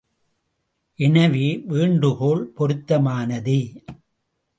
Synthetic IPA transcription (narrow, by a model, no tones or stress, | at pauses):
ʔɛnɐʋiʋiːɳɖɯɣoːɭpɔɾɯt̪ːɐmaːnɐðɯ